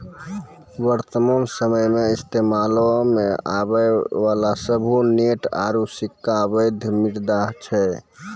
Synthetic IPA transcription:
bəɾt̪əmansəməjmeist̪emalɔmeabəʋalasəbʱuneʈa̰ɾusikːaβəjd̪ʱmiʈd̪aɦt͡ʃʰɛ

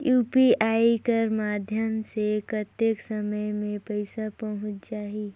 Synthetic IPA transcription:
juːpiaːikəɾmaːd̪ʱjəmsekət̪eksəməjmẽpəɪsapɐɦʊ̃t͡ʃt͡ʃaːɦi

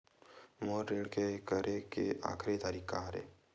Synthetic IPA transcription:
moːɾːeːɽkekəɾʔekḛʔa̰ːkʰɾet̪aːɾiːkaɾḛː

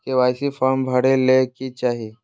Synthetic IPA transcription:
keʋajsifambʱəɽelːekit͡ɕaɦi

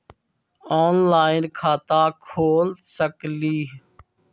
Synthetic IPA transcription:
oːnlaːɪnkʰaːt̪aːkʰoːlsəkliː

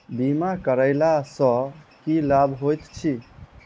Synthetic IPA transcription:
bimakəɾəɪlasə̃kilabʱɦojt̪t͡ʃʰi

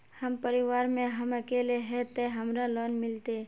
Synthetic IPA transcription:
həmpəɾɪʋaːɾmẽɦəməkeːleɦɛt̪eɦəmɾalɔːnmɪlt̪e

